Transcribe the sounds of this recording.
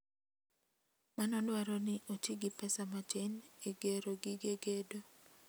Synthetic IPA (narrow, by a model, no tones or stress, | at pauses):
manɔdwaɾɔnɪʔot͡ʃiɡɪpɛsamat͡ʃeneɡeɾoɡiɡeɡedo